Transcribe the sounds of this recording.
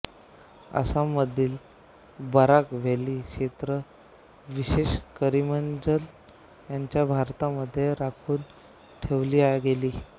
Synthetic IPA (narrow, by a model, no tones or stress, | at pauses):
ə̰saməd̪ʱiːl | bəɾakʋ̤eliːkɕet̪ɾə | ʋiɕeɕkəɾimənd͡zəl | jaɲt͡ɕjabʱaɾt̪aməd̪ʱːjeɾakʰuːn | ʈʰeʋliːajɡeliː